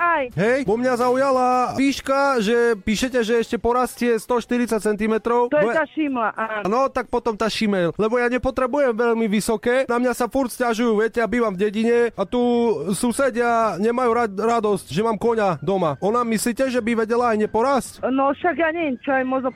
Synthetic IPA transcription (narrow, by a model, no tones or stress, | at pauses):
ajɦɛjbɔmɲazaujalaʋiːʃkaʒɛpiːʃɛcɛʒɛɛʃcɛpɔɾascɪɛst̪ɔʃt̪iɾit͡sac̚t͡sɛnt̪imɛt̪ɾɔʊt̪ɔɛɛt̪aːʃimlaʔanɔt̪ak̚pɔt̪ɔmt̪aʃimɛllɛbɔjaɲɛpɔt̪ɾɛbujɛmʋɛʎmiʋisɔkɛːnamɲasafuɾtscaʒujuːʋɪɛcɛabiːʋamvɟɛɟiɲɛat̪usuːsɛɟɪaɲɛmajuɾaɾad̪ɔscʒɛmaːmkɔɲad̪ɔmaʔɔnamisliːcɛʒɛbiʋɛɟɛlaːjɲɛpɔɾascnɔʃaɡjaɲɛʋjɛmt͡ʃɔajmɔʒnɔ